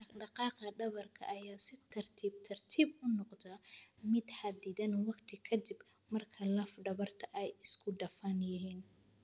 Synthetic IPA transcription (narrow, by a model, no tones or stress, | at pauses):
ɖɑqɑːqɐɖɐβɐrkʰɐ̰ʔɐjaːsɪt̪ʰɐrt̪ʰiːb̚t̪ʰɐrt̪ʰiːbʔʊnɔqd̪ɐmɪd̪ħad̪ɪðɐnwɑqt̪ʰɪkʰɐd̪ɪb | mɐrkʰɐlɐfɖɐβɐrt̪ʰɐʔɛjɪskʰʊɖɐfɐnjɪɦiːn